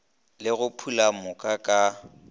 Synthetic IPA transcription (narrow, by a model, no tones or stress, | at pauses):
lɪɣʊpʰulamʊkʼakʼa